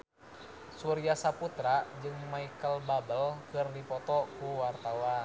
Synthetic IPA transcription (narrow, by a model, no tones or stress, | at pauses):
suɾiasaput̪ɾad͡ʒɨŋmaikəlbabəlkɨrdipɔt̪ɔkuwart̪awan